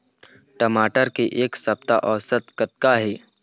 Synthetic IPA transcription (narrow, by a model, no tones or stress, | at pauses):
ʈəmaːʈəɾkeʔeːksɐp̚t̪aʔɔːsət̪kət̪̚kaɦɛː